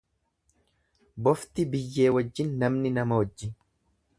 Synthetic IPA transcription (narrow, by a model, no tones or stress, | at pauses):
bɔft̪ɪbɪjːe̞ːwɐd͡ʒːɪnːɐmnɪnɐmɐwɔd͡ʒːɪn